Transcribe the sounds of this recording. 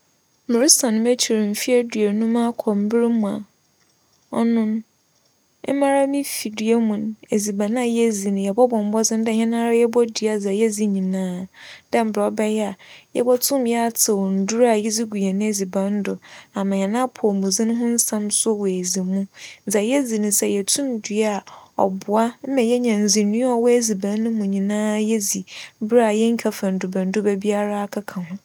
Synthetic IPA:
mɪ˨ɾi˦sã˨nʊ̃˦m˦e˦t͡ɕʰi˨ɾɪ˨m̩˨fi˦a˦dɥe˨nʊ̃˦mã˦kʰɔ˨m̩˨bɪ˦ɾɪ˦mũ˨a̰˨ | ɔ̰˦nʊ̃˦n˦ | mã˦ɾa˦mĩ˦fi˨dɥe˦mũ˨n˨e˨zi˨bã˨nã˦˨jɛ˦zi˨nʊ̃˨jɛ˨bɔ˦bɔ̃˨m˨bɔ˦d͡zɪ̃˦dɛ˦˨ɲɛ̃˦nã˦ɾa˦jɛ˦bɔ˦di˨a˨d͡za˨jɛ˦d͡zi˦ɲĩ˨nãː˦da˦m̩˨bɔ˦bɛ˦jɛ˦a˨jɛ̰˦bɔ˦tʰʊ̃˦m˦jɛ˦a˦tʰɪ˨wɔ˨n̩˨dʊ˦ɾa˨jɛ˦zi˦ɡu˨jɛ˨nʊ̃˦e˦zi˨bã˨n̩˦dʊ˨a˨mã˨ɲɛ̃˨nã˦pʰɔ˨mũ˨zĩ˦nʊ̃˦ɦʊ̃˦n̩˦sã˦msʊ˦wɔ˨e˨zi˨mũ˦n̩˨za˨jɛ˦zi˨nʊ̃˦sɛ˦jɛ˨tʰũ˦mdɥa˦a˨ɔ̰˨bʊ˨a˦m̩˦mɛ̃˨jɛ˦ɲã˨n̩˨zi˨nũ˦ɔ˦˨wɔ˦e˦zi˨bã˨nː˦ʊ̃˦mũ˨ɲĩ˨nãː˦jɛ˦zi˨˦bɪ˦ɾa˨jɛ˦ŋ̩˦kʰa˨fã˨n̩˨dʊ˨bã˨n̩˨˦dʊ˦bɛ˦bi˦a˦ɾa˦a˦kʰa˦kʰã˨hʊ̃˦

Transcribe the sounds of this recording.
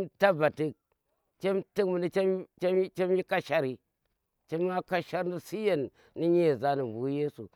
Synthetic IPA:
nta˦ba˨tɨ˦k̚ | t͡ʃe˦mti˦kmu˨ni˦t͡ʃe˦mt͡ʃe˦t͡ʃe˦mji˦ka˦ʃa˦ɾi˨ | t͡ʃe˦mː˦a˦ka˦ʃa˦ɾni˦si˦je˨nː | i˦ɲi˦e˨za˨˦ni˨bu˨˦je˦sṵ˨

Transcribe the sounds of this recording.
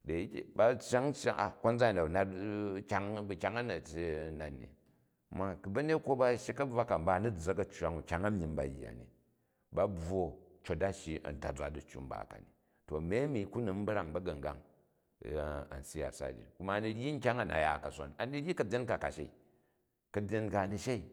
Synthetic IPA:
de˨i˦kʲḛ˨ba˦t͡ʃa˦ŋt͡ʃa̰˦ʔa̰˨ko˦nd͡za˦i˨da˨na˦tkʲa˦ŋbu˧kʲa˦ŋɐ˦nɐ˨te˦˨na˨nːḭ˨ | mːa˦kbɐ˦ne˦tkʷo˦ba˦ʃi˦kɐ˦b͡vʷa˦ka˨m̩˦ba˦˨nu˦d͡zɐ˦kɐ˦t͡ʃwa˨ŋu˨kʲa˦ŋa˦mʲ˦i˦nba̰˨jḭ˨a̰˨nḭ˨ | ba˦b͡vo˨t͡ʃo˨˦da˦ʃi˦ɐ̰˨n˨ta̰˨d͡zʷa˨du˨t͡ʃʲːṵ˦m̩˦ba̰˨ka̰˨ni˨ | to˨mʲe˦mi˨ku˦nu˨m̩˦bɾa˦ŋbɐ˦ɡɐ˨ŋ˨ɡa̰˦ŋ˨ | a̰˨n̩˨si˦ja̰˨sa̰˦˨d͡ʒḭ˨ku˦ma˦˨˦ni˧ji˦ŋ̩˦kʲa˦ŋa˦na̰˨ja̰˨ka˨sʷa̰˨na˨ni˦ji˦kɐ˨bʲe˦nka˨ka˨ʃe˦i˨ | kɐ˨bʲe˦nka˨ni˧ʃe˦i˨

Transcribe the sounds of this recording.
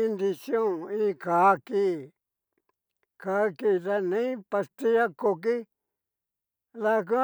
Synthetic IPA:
i˧nd̪i˧sjõ˦˨ĩ˦˧ka˨˦ki˧˦ | ka˨˦ki˧˨t̪a˧nĩ˦pa˧st̪i˦ja˦ko˧k̬i˦ | ða˧k̬ũ˦

